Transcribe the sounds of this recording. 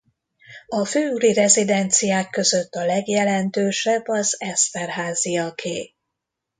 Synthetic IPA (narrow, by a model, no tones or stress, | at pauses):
ɒføːylirɛzid̪ɛnt̪sijaːkːø̞zø̞t̪ːɒlɛɡjɛlɛnt̪øːʃɛbːɒzɛst̪ɛrɦaːzijɒkʰeː